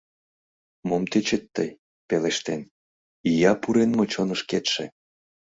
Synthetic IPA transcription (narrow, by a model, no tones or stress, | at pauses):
momt̪et͡ɕet̪ːəj | peleʃt̪en | ijɑpuɾenmot͡ɕonəʃket̪ʃḛ